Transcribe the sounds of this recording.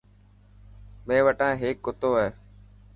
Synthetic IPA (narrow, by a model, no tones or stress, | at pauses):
mẽːʋəʈãːɦeːkːʊt̪oːɦeː